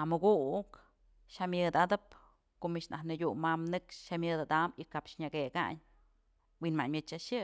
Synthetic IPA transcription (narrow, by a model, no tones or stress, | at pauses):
amɨɡuk | ʃamʲjɨd̪ad̪ɨp̚ | koʔmiʔt͡ʃna̰hnɨɡʲumːamnɨkʂʃamʲjɨd̪ad̪amikapʃɲaɡeɡa̰ɲ | winma̰ʔɲmʲɨt͡ʃaʃɨ